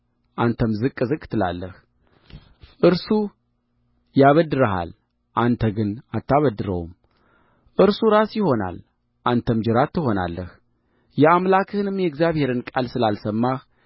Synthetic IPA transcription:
ʔant̪ʰəmzɨkʼːɨzɨkʼːɨt̪ʰɨla̰lːəh | ʔɨɾsu | jaβəd̪ɨɾəɦa̰l | ʔant̪ʰəɡɨnat̪ːaβəd̪ːɨɾə̰wum | ʔɨɾsuɾasjɪho̞na̰l | ʔant̪ʰəmd͡ʒɪɾat̪ːɨho̞na̰lːəh | jɛamlakʰɨhɨnɨmjɛɡzjaβhe̞ɾɨnkʼalsɨlalsəmːah

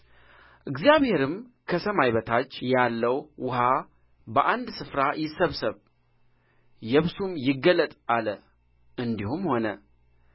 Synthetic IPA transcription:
ʔɨɡzijaβhe̞ɾɨmkʰəsəmajβət̪ʰat͡ʃːjalːəwwʊha | bəʔand̪sɨfɾajɪsəβsəβ | jɛβsumjɪɡːəlːət̪ʼalə | ʔɨnd̪ihumho̞nə

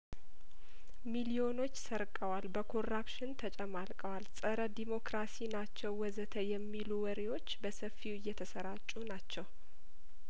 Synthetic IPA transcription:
milio̞no̞t͡ʃːsəɾkʼəwalbəkʰo̞rapʃɪnt̪ʰət͡ʃʼɛmalkʼəwalsʼəɾəd̪imo̞kɾasinat͡ʃːɛwwɔzət̪ʰəjɛmːiluwɔɾewo̞t͡ʃːbəsəfːiwɪjːɛt̪ʰəsəɾat͡ʃʼːunat͡ʃːɛw

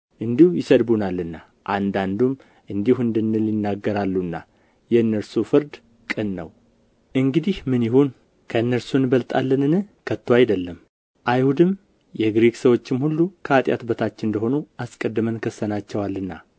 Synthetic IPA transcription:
ʔɨnd̪ihujɪsəd̪bunalːɨnːa | ʔand̪and̪um | ʔɨnd̪ihuɨnd̪ɨnːɨlːinːaɡːəɾalːunːa | jɛɨnːəɾsufɨɾd̪ | kʼɨnːə̰w | ʔɨŋɡɨd̪ihmɨnjɪhon | kʰəɨnːəɾsunbəlt̪ʼa̰lːənɨnɨkʰət̪ːoajd̪əlːəm | ʔajhud̪ɨm | jɛɡɾeɡsəwo̞t͡ʃːɪmhulːukʰəat̪ʼja̰t̪bət̪ʰat͡ʃːɪɨnd̪əɦo̞nuʔaskʼəd̪ːɨmənkʰəsːənat͡ʃːɛwalːɨnːa̰

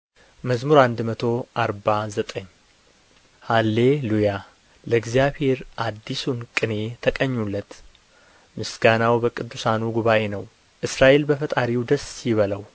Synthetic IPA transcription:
məzmuɾand̪mət̪ʰo̞ʔaɾbazət̪ʼəɲː | halːe̞luja | ləɨɡzijaβhe̞ɾʔad̪ːisunkʼɨne̞t̪ʰəkʼəɲːulːət̪ | mɨsɡanawbəkʼɨd̪ːusanuɡuβaʔe̞nəw | ʔɨsɾaʔe̞lbəfət̪ʼaɾiwd̪əsjɪβələw

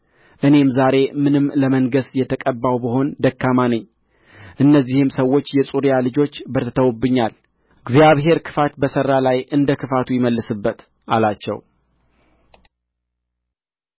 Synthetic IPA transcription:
ʔɨne̞mzaɾe̞mɨnɨmːləməŋɡəsjɛt̪ʰəkʼəbːawbəɦo̞nd̪əkːamanəɲː | ʔɨnːəzːihɨmsəwːo̞t͡ʃːjɛsʼuɾjalɨd͡ʒo̞t͡ʃːbəɾt̪ʰət̪ʰəwbːɨɲːal | ɡzjaβɦe̞ɾkʰɨ̥fat̪bəsərːalajʔɨnd̪əkʰɨfat̪ʰujɪməlːɨsɨbːət̪ | ʔalat͡ʃːɛ̰w

